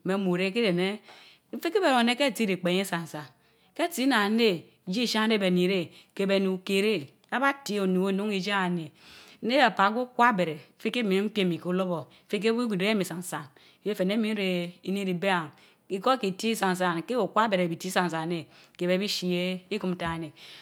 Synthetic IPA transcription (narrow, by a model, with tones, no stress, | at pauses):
me˨˦mu˨ɾe˦ki˦de˨ne˦ | m̩˦fi˦ki˦be˨ɾo˨ne˦ke˦˨ti˦ɾe˨k͡pe˨ɲe˦sa˨n˨sa˨ | ke˦˨ti˦na˨˦ne˦˨ | d͡ʒi˦˨ʃa˦ŋ˦ɾe˦be˨ni˨ɾe˦ke˨be˨nu˨ke˨ɾe˦ | a˦ba˦ti˦˨o˨nu˨o˦nu˦ŋi˨d͡ʒa˦a˨ne˨˦ne˦a˨pa˨˦ɡo˦kʷa˦be˨ɾe˨˦fi˦ke˦mi˨˦k͡pje˦˨mi˨ko˦u˦lo˦bo˨˦fi˦k̬e˦u˦ɡi˨e˨˦e˦mi˨sa˨n˨sa˨n˦ | je˦fe˨ne˦mi˦n˦ɾe˨i˨ni˦ɾi˨be˦a˨ŋ | i˦ko˦ki˨ti˦sa˨n˨s̬a˨nke˦o˨kʷa˦be˨ɾe˨bi˨ti˦sa˨n˨sa˨ne˦ke˨be˨˦bi˦ʃi˦e˦i˦ku˦m̩˦ta˦˨ne˨